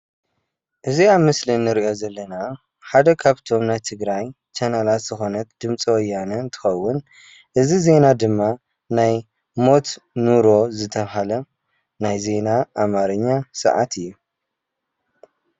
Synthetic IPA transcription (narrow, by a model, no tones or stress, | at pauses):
ʔɨziaβmɨslinːɨɾiʔo̞zɐlːɐna | ħad̪ɐkʰaβt̪ʰo̞mnajt̪ʰɨɡɾaj | t͡ʃanalat̪z̥ɨxo̞nɐt̪d̪̥ɨmt͡sʼiwɐjːanɐnt̪ʰɨ̥xɐwːʊn | ʔɨzize̞nad̪ɨmːa | naj | mo̞t̪nuɾo̞zɨt̪ʰɐβɦalɐ | najze̞naʔamaɾɨɲːasɐ̰ʕa̰t̪ʰɨjːu